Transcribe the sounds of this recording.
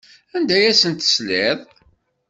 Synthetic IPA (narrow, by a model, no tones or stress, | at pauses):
ænd̪æjæsənt̪ə̥slɪðˤ